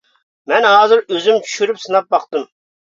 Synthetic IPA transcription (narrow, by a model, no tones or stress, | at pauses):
mɛnɦɑːzɨɾøzymt͡ʃʰy̥ʃyɾypsɨnɑp̚bɑqt̪ɨm